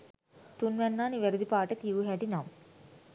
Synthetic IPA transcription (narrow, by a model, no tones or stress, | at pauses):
t̪unʋɛnːaːniʋeɾud̪ipaːʈɐk̪juːɦeʈinam